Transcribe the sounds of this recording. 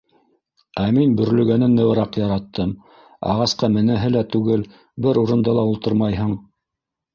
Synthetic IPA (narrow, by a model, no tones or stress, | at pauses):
æminbɵ̆ɾlɵ̆ɡænɘnːɘ̆wɤ̆ɾɑqjɑɾɑt̪ʰːɤm | ɑ̰ʁɑsqɑmɘ̆nɘɦɘlæt̪ʉɡɘl | bɘɾuɾɤ̆nd̪ɑlˠɑulˠt̪ɤɾmɑjɦɤɴ